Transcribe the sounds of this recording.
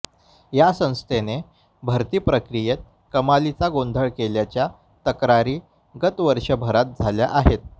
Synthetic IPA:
jasə̃w̃st̪ʰene | bʱəɾt̪iːpɾəkɾijet̪̚ | kəmalit͡saɡond̪ʱəɭkeljat͡ɕja | t̪əkɾaɾiː | ɡət̪ʋəɾʂəbʱəɾat̪̚d͡zʱaljaʔaɦet̪̚

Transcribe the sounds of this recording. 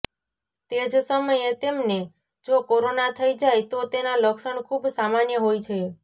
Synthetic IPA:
t̪ed͡ʒsəməjet̪emne | d͡ʒokoɾonat̪ʰəid͡ʒajt̪ot̪enaləksəɳkʰubsamanjəɦojt͡ʃʰe

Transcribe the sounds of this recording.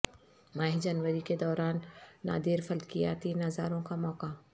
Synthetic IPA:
maːɦid͡ʒɐnwəɾiked̪ɔːɾaːnːa̰ːd̪iːɾfɐlkija̰t̪iːnɐzaːɾõkamɔːka

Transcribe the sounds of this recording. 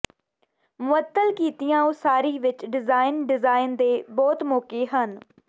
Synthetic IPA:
mʊʋət̪ːəlkiːt̪ijãːoːsaːɾiːʋɪt͡ʃɖɪzaːɪnɖɪzaːɪnd̪eːbɔːt̪mɔːkeːɦən

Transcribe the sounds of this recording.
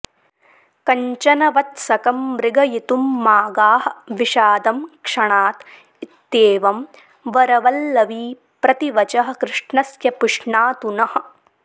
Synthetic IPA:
kɐɲt͡ʃɐnɐʋɐt̪sɐkɐmɾɪɡɐjit̪umːaːɡaːhɐ̆ʋiʃaːd̪ɐmkʂɐɳaːt̪ | it̪ːeːʋɐm | ʋɐɾɐʋɐlːɐʋiː | pɾɐt̪iʋɐt͡ʃɐɦɐ̆kɾɪʂɳɐsjɐpuʂɳaːt̪unɐhɐ̆

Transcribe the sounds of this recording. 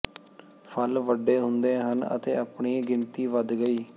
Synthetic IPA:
pʰəlʋəɖːeːɦʊnd̪eːɦənə̰t̪eːəpɳiːɡɪnt̪iːʋəd̪ɡəiː

